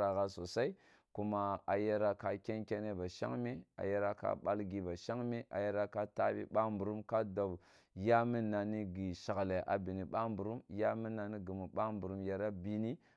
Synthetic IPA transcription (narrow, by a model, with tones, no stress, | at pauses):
ɾa˨ɣa˨so˨sa˦i˦ | ku˦ma˦a˨je˦ɾa˦ka˦kʲe˦nkʲe˦ne˦ba˨ʃa̰˦ŋme˦a̰˨je˦ɾa˦ka̰˦ɓa˦lɡi˨ba˨ʃa˦ŋmi˦ʔa̰˨je˦ɾa˦ka˦ta˦bḭ˦ɓa˦mbu˨ɾu˦mka˦do˨b | ja˦mi˦na˨ni˦ɡi˨ʃa˨ɣla˨ʔa̰˨bi˨ni˨ɓa˦mbu˨ɾu˦mja˦mi˦na˨ni˦ɡi˨mu˨ɓa˦mbu˨ɾu˦mja˨ɾa˦bi˨ni˦